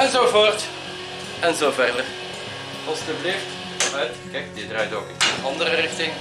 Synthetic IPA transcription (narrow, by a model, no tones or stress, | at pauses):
ɛnzoːvoːrt | ɛnzoːvɛrdər | ɑlˠsdəblɪft | ɔnœɥtkɛk̚dɪdrœjtoːkəəɑndərərɪxtɪŋ